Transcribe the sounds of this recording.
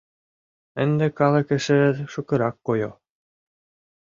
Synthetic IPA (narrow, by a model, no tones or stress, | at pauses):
ɘ̆nd̪ɘ̆kɑlˠɤ̆kɘ̆ʃɘ̆ʃŭkɤ̆ɾɑkːojo̰